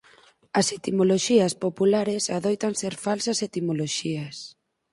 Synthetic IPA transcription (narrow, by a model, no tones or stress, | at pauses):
ɐset̪imoloʃiɐspopulaɾesaðojt̪anseɾfalsɐset̪imoloʃiɐs